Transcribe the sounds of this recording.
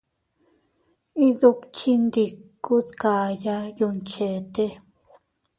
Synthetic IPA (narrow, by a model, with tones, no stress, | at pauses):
i˦ðu˧kt͡ʃi˧nd̪i˧kːu˦ðka˨ja˦ju˧nt͡ʃe˨t̪e˦